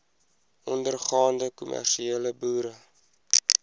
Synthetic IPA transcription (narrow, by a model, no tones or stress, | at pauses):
ʔɔndərχɑːndəkumʔæ̰rʃieːləbuːɾə